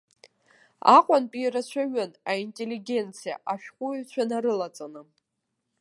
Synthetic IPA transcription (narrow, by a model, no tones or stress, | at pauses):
a̰qʷʼanpʼiːɾat͡ɕʷʰaɥanaintʼeliɡʲe̞nt͡sʰija̰ʔaʃᶣqʷʼʊt͡ɕʷʰanaɾɨlat͡sʼanɨ